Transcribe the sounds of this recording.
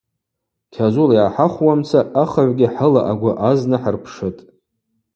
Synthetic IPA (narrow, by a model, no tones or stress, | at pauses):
kʲʰazuljaːħaχʷwamt͡sʰaaχaʕʷɡʲɪħəla̰ʔaɡʷʊʔaznɨħərpʰʂɨtʼ